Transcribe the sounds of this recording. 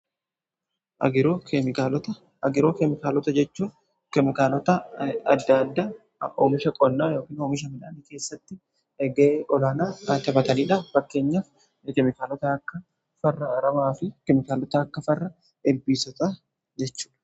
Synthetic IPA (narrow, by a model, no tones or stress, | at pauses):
ʔɐ̰ɪɾoːɛɪkalɔt̪ɐ | ɡɪɾoːkɛmɪkaːlɔt̪ɐd͡ʒɛt͡ʃːuː | kɛmɪkaːlɔt̪ɐɐd̪ːɐɐd̪ːaː | oːmɪʃɐkʼɔnːaːjo̞ːkiːnoːmɪʃ̬ɐmɪᶑa̰ːniːke̞ːsːɐt̪ːɪ | ɡɐeʔɔlaːnaːaːt̪ɐbɐt̪ɐniːᶑaːffɐkːe̞ːɲːaːf | kɛmɪkaːlɔt̪ɐɐkːɐ | fɐrːɐːɾɐmaːfɪkɛmɪkaːlɔt̪ɐːkːɐfɐrːɐ | ɛlbiːsɔt̪aː | d͡ʒɛt͡ʃːu̥ːᶑɐ̥